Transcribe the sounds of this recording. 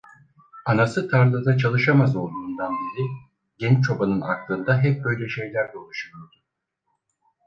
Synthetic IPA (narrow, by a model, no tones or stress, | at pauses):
anasɯt̪ʰaɾlˠɯd̪at͡ʃʰalˠɯʃamazo̞lˠd̪uːnd̪anbiɾi | ɟɛnt͡ʃt͡ʃʰo̞banɯnaklˠɯnd̪aɦɛp̚bø̞jlʲɛʃe̞jlʲæɾd̪ɛolˠuʃɯmˠɯjo̞ɾd̪u